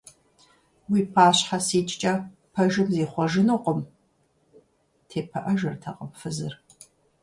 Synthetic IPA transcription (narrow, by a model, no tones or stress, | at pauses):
wiːpʰaːɕħasiːt͡ʃʼt͡ʃʼɐ | pʰɐʒɨmzeːχʷɔʒɨnuqʷʊm | tʰeːpʰɐʔɐʒɨrtʰɐqʼəmfɨzɨr